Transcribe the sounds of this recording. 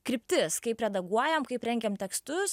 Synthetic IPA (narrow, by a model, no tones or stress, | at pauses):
kɾʲɪpʲt̪ʲɪskɐɪpɾʲɛd̪ɐɡuɔjɛmkɐɪpɾʲɛŋʲɡʲɛmt̪ʲɛkst̪ʊs